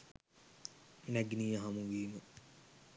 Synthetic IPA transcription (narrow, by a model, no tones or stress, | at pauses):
næɡnijəɦamuʋiːmu